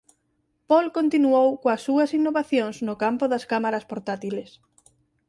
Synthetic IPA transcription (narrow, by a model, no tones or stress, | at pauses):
pɔlkont̪inuowkoɐsːuɐsinːoβaθjõŋsnʊkampʊðɐskamaɾɐspoɾt̪at̪iles